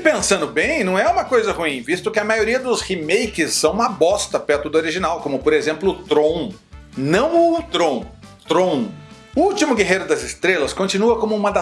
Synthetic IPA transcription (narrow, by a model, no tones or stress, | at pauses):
pẽsɐ̃nd̪ʊbẽj̃nɐ̃w̃ɛũmɐkojzɐhuĩvist̪ʊkɪɐmajoɾiɐd̪ʊshimejkɪsːɐ̃w̃ũmɐbɔst̪ɐpɛɾt̪ʊd̪ʊoɾiʒinawkõmʊpoɾezẽmplʊːt̪ɾõw̃ | nɐ̃w̃ʊt̪ɾõt̪ɾõw̃ | ʊuwt͡ʃimʊɡeɦejɾʊd̪ɐzɪst̪ɾelɐskõt͡ʃinuɐkõmʊũmɐd̪ɐ